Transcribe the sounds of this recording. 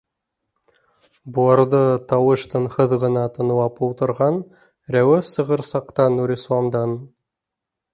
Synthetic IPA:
buɑɾd̪ɤt̪ɑwəʃt̪ɤɴχɤðʁɤ̆nɑt̪ʰɤ̆nɤwɑpulˠt̪ɤ̆ɾʁɑn | ɾæwɘfsɤ̆ʁɤɾsɑqt̪ɑnːuɾʲislˠɑmd̪ɑn

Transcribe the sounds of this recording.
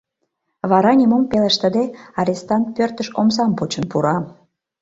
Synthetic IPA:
βɑɾɑnʲemompeleʃt̪əd̪eɑɾʲest̪ɑnt̪̚pørt̪əʃomsɑmpot͡ɕə̆npuɾɑ

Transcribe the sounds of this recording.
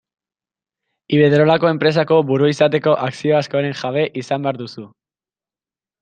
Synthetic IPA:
iβe̞ðɾo̞lako̞e̞mpɾe̞s̬ako̞βuɾuisat̪e̞ko̞ʔaksio̞askoɾe̞ŋʝaβ̞e̞ʔisambeaɾðusu

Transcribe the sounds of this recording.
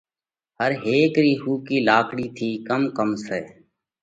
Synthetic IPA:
ɦəɾɦeːkɾiːhuːkiːlaːkʰɽiːt̪ʰiːkəmkəmseː

